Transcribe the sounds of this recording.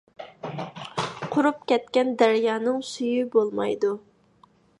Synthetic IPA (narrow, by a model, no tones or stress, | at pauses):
qʰʊɾup̚kʲɛt̪kʲɛnd̪æɾjɑːnɨŋsyjybolˠmɑ̰jd̪u